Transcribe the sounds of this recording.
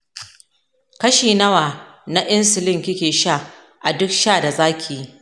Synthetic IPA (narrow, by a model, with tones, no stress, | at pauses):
kɐ˦ʃiː˨nɐ˦waː˨na˦ʔɪ˦nsɪ˨lɪ˦˨ŋkʲɪ˦kʲeː˨ʃa˦˨ | ʔa˨dʊ˦k̚ʃaː˦˨da˨zaː˦kʲʰi˨i˦